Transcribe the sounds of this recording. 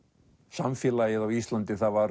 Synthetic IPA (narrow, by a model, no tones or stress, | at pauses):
samfjɛːlajɪðawist̪lant̪ɪθaðvaɾ